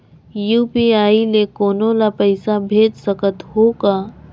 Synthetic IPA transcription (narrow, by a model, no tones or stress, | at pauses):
juːpiaːilekoːnõlapəɪsabʱeːd͡ʒsəkət̪hoːkaː